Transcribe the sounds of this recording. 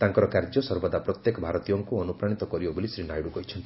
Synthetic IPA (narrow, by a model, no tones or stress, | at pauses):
t̪aŋkɔɾɔkaɾd͡ʒɔsɔɾbɔd̪apɾɔt̪jekɔbʱaɾɔt̪ijɔŋkuɔnupɾaɽ̃it̪ɔkɔɾibɔbolisɾinajɽuɡɔɦit͡ʃʰɔnt̪i